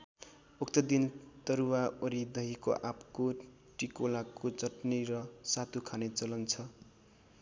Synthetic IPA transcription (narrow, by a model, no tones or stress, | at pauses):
uk̚t̪ʌd̪int̪ʌɾuwaoɾid̪ʌɦikoʔapko | ʈikolakot͡sʌʈniɾʌsat̪ukʰanet͡sʌlʌnt͡sʰʌ